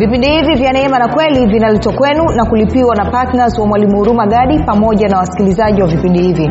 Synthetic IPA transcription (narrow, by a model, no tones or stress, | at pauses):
vipindihivivjanɛɛmanakwɛlivinalɛtwakwɛnunakulipiwanapatnazwamwalimuuɾumaɠaɗipamɔʄanawasi̥kilizaʄiwavipindihivi